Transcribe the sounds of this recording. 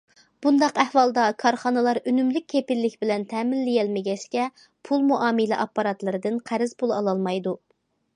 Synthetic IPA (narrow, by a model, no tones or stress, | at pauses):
b̥und̪ɑqɛhwɑlˠd̪ɑkʰɑɾχɑnɨlˠɑɾynymlyk̚ʲʰːepɪlːɪkʲbɪlɛnt̪ʰɛːmɪnːɪjɛlmɪɡʲɛʃkʲɛ | pʰulˠmuʔɑːmɨlɪʔɑpːɑɾɑt̪lˠɨɾɨd̪ɨnqʰæɾɪz̥pʰulˠɑ̰lˠɑlˠmɑjd̪u